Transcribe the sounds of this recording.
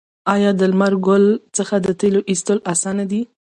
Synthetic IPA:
ɑjɑd̪əlmaɾɡʊlt͡səxad̪ət̪eloʔist̪əlasɑnad̪i

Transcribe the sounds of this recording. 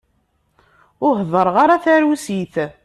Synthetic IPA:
ʊɦðˤəɾˤʁaɾaθæɾusiθ

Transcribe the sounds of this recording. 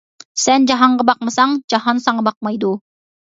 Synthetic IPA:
sænd͡ʒɑɦɑɴɢəbɑq̚məsɑŋd͡ʒɑɦɑnsɑɴbɑq̚mɑjd̪u

